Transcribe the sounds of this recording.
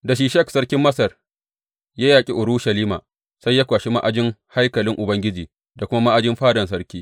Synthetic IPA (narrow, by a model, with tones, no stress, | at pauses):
da˨ʃ̬iː˨ʃɐ˦ksɐ˦rkʲɪ˦mːɐ˦sɐ˨r | jaː˦jaː˨kʲʼi˦ʔʊ˨ɽuː˦ʃɐ˨liː˦ma̰ː˨ | sa˦jːaː˦kʷaː˨ʃi˦ma̰˦ʔa˨d͡ʒɪ˦ŋha˦jkɐ˨lɪ˦ŋʔʊ˨bɐ˦ŋɡʲɪ˦d͡ʒiː˨ | da˨kʷʊ˦ma˦ma˦ʔa˦˨d͡ʒɪ˦mɸaː˦dɐ˨ns̬ɐ˦rkʲiː˦